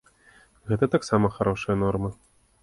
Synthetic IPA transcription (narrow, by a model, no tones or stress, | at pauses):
ɣɛt̪ɐt̪aksamɐxaɾɔʂɐjɐnɔrmɐ